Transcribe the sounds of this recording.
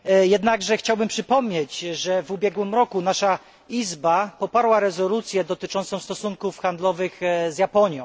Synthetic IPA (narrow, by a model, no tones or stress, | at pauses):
jɛd̪naɡʐɛxt͡ɕawbɘmpʂɘpɔmɲed͡ʑʐɛvubʲjɛɡwɘmɾɔkunaʂa | izbapɔpaɾwaɾɛzɔlut̪sʲjɛd̪ɔt̪ɘt͡ʂɔñɔ̃w̃st̪ɔsuŋkufxand̪lɔvɘɣzjapɔɲjɔ̃w̃